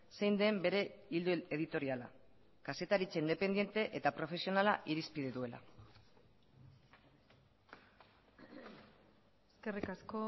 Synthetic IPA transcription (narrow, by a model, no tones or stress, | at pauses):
se̞jnd̪e̞mbe̞ɾe̞ild̪ueðit̪o̞ɾiala̰ | kase̞t̪aɾit͡ʃeind̪e̞pe̞nd̪je̞nt̪e̞ʔet̪apɾo̞fe̞sio̞nalaʔiɾispiðeðue̞la̰ | eske̞rikasko